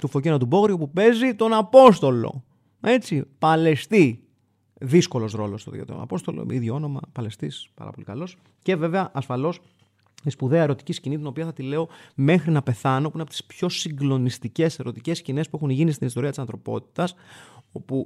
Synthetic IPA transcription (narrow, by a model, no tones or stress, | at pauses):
t̪ufo̞cenɐt̪ubo̞ɣɾiopupe̞zit̪o̞nɐpo̞st̪o̞lo̞̰ | e̞t͡sipɐle̞st̪i | ðisko̞lo̞sɾo̞lo̞st̪oðiot̪eɾo̰nɐ̰po̞st̪o̞̰lo̰iðʝoo̞no̞mɐ̰pɐle̞st̪ḭspɐ̰ɾɐ̰po̞likɐlo̞s | ce̞ve̞veɐʔɐsfɐlo̞s | ispuðe̞ɐe̞ɾo̞t̪i̥ciscinit̪ino̞piɐθɐt̪ile̞o̞me̞xɾinɐpe̞θɐno̞puineɐpot̪i̥spço̞siŋɡlo̞nist̪ice̞se̞ɾo̞t̪ice̞scine̞spuexunʝinist̪inist̪o̞ɾiɐt̪isɐnθɾo̞po̞̰t̪i̥t̪ɐso̞pu